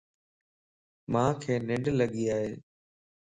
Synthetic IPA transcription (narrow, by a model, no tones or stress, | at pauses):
mãːkʰeːnɪ̃ɳɖləɠiaːɦeː